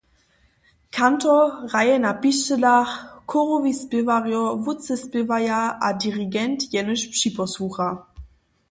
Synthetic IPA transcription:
kʰantɔʁajɛnapiʃtəlaxkʰɔʁɔvispɪvaʁjɔvʊt͡sɛspɪvajaʔadiʁiɡɛntjɛnəɕpʂipɔsuxa

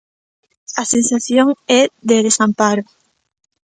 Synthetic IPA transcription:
asensaθjoŋɛðeðesampaɾʊ

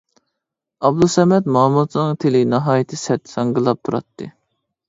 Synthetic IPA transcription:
ɑb̚d̪usɛmɛt̪mɑmut̪nɨŋt̪ʰelɪnɑɦɑːjɪt̪ʰɨsɛt̪ːsɑŋɡɨlˠɑp̚t̪ʰuɾɑ̰t̪ːɨ̰

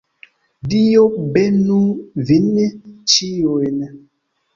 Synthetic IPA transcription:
dijobɛnuvinːɛt͡ʃijoenɛ

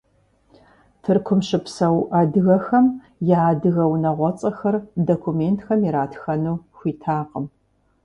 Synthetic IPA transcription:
tʰɨrkʷʰʊmɕɨpsɐwʔadɨɣɐxɐm | jaaːdɨɣɐwnɐʁʷɔt͡sʼɐxɐrdokʷʰumeːntʰxɐmiɾaːtxɐnuːxʷiːtʰaːqəm

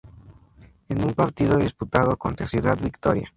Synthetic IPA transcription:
enumpaɾt̪iðo̞ðisput̪að̞o̞ko̞̰nt̪ɾasjuða̰d̪bikt̪o̞̰ɾja̰

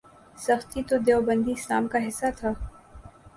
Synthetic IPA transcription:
sɐxt̪it̪od̪eːobə̃nd̪isa̰ːmkaɦɪsːat̪ʰaː

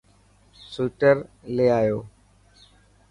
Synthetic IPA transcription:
suːʈəɾleːaːjoː

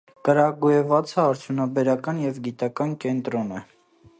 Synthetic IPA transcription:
kəɾɑɡujɛvɑt͡sʰəɑɾt͡sʰjunɑbɛɾɑkɑnjɛvɡit̪ɑkɑnkɛnt̪ɾɔnɛ

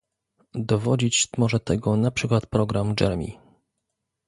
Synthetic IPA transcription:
d̪ɔvɔd͡ʑit͡ɕmɔʐɛt̪ɛɡɔnapʂɘkwat̪pɾɔɡɾamd͡ʐɛ̰ɾmʲḭ

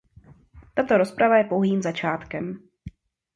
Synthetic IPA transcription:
t̪at̪o̞ɾospɾavajɛpowɦiːmzat͡ʃaːt̪kɛm

